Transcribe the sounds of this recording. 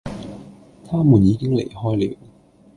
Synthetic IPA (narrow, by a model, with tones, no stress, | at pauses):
t̪ʰaː˥muː˨˩njiː˨˧kɪ˥ŋlḛ˨˩jhɔː˥jliː˨˥w